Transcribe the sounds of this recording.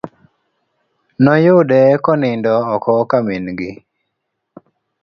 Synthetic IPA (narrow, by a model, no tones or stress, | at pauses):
nɔjʊdɛkɔnɪndɔːkɔkaminɡɪ